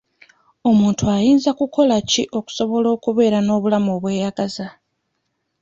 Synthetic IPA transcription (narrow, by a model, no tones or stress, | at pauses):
o̞muːntʰuajiːnzakuko̞laciʔo̞ku̥so̞βo̞lo̞ːkuβe̞ːɾano̞ːβulamo̞ːβwe̞ːjaɡaza